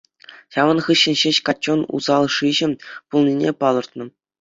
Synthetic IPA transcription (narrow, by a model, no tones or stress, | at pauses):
ɕɑʋɤ̆nχɯɕːɘ̆nʲɕeɕkɑtʲːonṵzɑlˠʂiʑɘ̆pulˠnʲinʲepɑlˠɤ̆rt̪nɤ̆